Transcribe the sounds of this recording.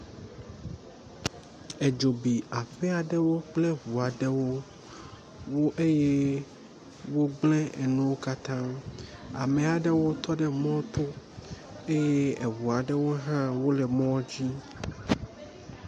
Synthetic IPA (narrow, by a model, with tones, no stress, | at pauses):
ɛ˨d͡ʒo˨bi˨a˨fɛ˦a˨ɖɛ˦wo˦k͡plɛ˦vu˨a˨ɖɛ˦wo˦ | wo˦ʔe˦je˦ | wo˦ɡ͡blɛ̃˦ɛ˨nũ˦wo˦ka˦t̪ã˦ | a̰˨me˨a˨ɖɛ˦wo˦t̪ɔ˦ɖɛ˦mɔ̃˦t̪o˦ | e˦je˦e˨vu˨a˨ɖɛ˦wo˦ɦã˦wo˦lɛ˨mɔ̃˦d͡ʑi˦